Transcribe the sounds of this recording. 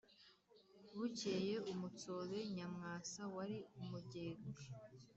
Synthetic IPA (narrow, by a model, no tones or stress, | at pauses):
βuceje̞umut͡soβe̞ɲamŋaːsawaɾiumuɟeːɡa